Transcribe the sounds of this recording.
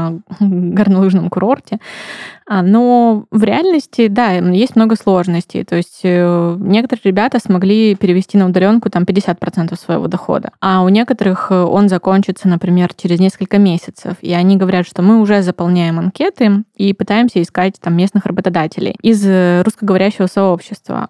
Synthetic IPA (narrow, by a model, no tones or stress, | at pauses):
ɡərnɐlˠuʐnəmkʊɾo̞rtʲɪ | ano̞vɾʲɪalʲnəsʲtʲɪd̪ajesʲtʲmno̞ɡəslˠo̞ʐnəsʲtʲɪ̰jt̪o̞ɪsʲtʲənʲe̞kət̪əɾɨəɾʲɪbʲat̪əsmɐɡlʲipʲɪɾʲɪvʲɪsʲtʲinəʊd̪ɐlʲo̞nkʊt̪ampʲɪdʲːɪsʲat̪̚pɾɐt̪sɛnt̪əfsvə̰jɪ̰vo̞̰d̪ɐxo̰d̪ə̰aʊnʲe̞kət̪əɾɨxo̞̰nzɐko̞nʲt͡ɕɪt̪sənəpɾʲɪmʲe̞rt͡ɕeɾʲɪznʲe̞skəlʲkəmʲesʲɪt̪sə̰fḭɐnʲiɡəvɐɾʲat̪ʂt̪o̞mɨʊʐɛzəpɐlˠnʲæjɪmɐnkʲe̞t̪ɨipɨt̪ajɪmsʲəɪskat̚ʲt̪amːʲe̞snɨxrəbət̪ɐd̪atʲɪlʲɪ̰jizrʊskəɡəvɐɾʲæɕːɪvəsɐopɕːɪst̪və̰